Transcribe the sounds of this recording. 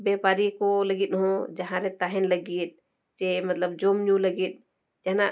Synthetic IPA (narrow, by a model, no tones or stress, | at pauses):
bɛpaɾikɔləɡit̪̚ɦɔ̃d͡ʒaɦãɾɛt̪aɦɛnləɡit̪̚ | t͡ʃemɐt̪ləb̚d͡ʒomnũləɡit̪̚ | d͡ʒɛɦna